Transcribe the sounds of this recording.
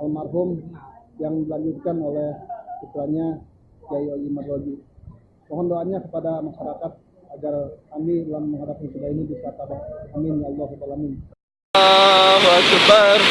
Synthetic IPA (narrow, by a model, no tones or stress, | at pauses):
almarɦʊmjaŋdilaɲd͡ʒut̪̚kanolɛhsut̪ɾaɲa | d͡ʒaiolimarloɡi | mɔɦɔndoanɲakəpadamaʃaɾakat̪̚ad͡ʒarkamilamːəŋɦadap̚asudainibisat̪aɾamɪnjaliasat̪alamɪn | at͡ʃəbar